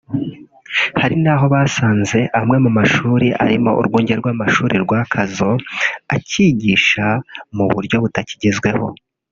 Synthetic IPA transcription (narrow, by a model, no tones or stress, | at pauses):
haɾinaːɦo̞βaːsaːnze̞ʔamŋe̞mumaʃuːɾiʔaɾimo̞ʔṵɾɡuːɲɟeɾɡwaːmaʃuːɾiɾɡwaːkʰazo̞a̰ciɟiːʃamuβṵɾjo̞βutaci̥ɟizɡwe̞ho̞̰